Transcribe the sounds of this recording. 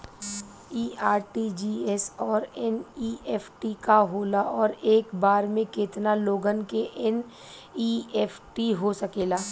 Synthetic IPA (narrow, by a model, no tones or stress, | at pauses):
iːaːɾʈid͡ʒiːɛsɔːɾɛniːʔɛːpʰʈikaɦoːlaʔɔːɾeːkbaːɾmẽkɪt̪naloːɡənkeʔɪn | iːeːpʰʈiɦosɐkeːlaː